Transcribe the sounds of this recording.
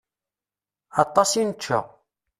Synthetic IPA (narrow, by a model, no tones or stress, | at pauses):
ɑt̪ˤːɑsinət͡ʃːa̰